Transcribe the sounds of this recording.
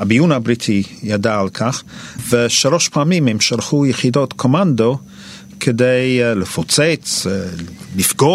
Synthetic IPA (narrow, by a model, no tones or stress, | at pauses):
habijunabɾit̪ʰijadaalkʰaχveʃaloʃpaːmimhɛmʃaɾχujəχidot̪kʰomand̪o | kʰedejləfot͡set͡s | lifɡo